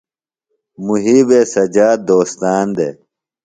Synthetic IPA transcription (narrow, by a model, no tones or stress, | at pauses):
muɦiːbeːsɐd͡ʑaːd̪oːst̪aːnd̪ḛ